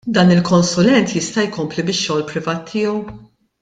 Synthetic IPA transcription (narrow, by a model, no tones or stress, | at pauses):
d̪ɐːnɪlkɔnsʊlɛnt̪jɪst̪ɐjkɔmplibɪʃːɔːlpɾɪvɐːt̪ʰːɪːɔw